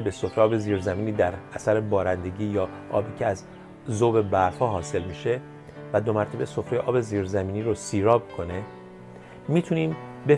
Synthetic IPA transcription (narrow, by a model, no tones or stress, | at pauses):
ebe̞sofɾeʔɒːbe̞ziːɾzæmiːniːd̪æɾæsæɾebɒːɾænd̪e̞ɟiːjɒː | ʔɒ̰ːbiːcʰeæz | zoːbe̞bæɾhɒːɦɒːse̞lmiːʃe̞ | væd̪o̞mæɾt̪ʰæbe̞so̞fɾejeʔɒːbe̞ziːɾzæmiːniːɾosiːɾɒːbkʰo̞ne | miːt̪ʰuniːm | be